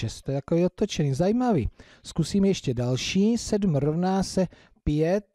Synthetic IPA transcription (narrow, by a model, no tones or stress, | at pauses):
ɛst̪ɛt̪akoviːot̪ot͡ʃɛnizajiːmavḭː | skusiːmjɛʃcɛdalʃiːsɛdm̩ɾovnaːsɛ | pjɛt̪̚